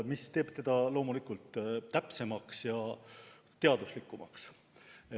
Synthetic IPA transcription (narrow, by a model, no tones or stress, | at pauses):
mist̪e̞ːb̥t̪e̞d̪̥ɑlo̞ːmulikult̪ːæpse̞mɑksjɑ | t̪e̞ɑd̪̥uslikːˑumɑ̰ks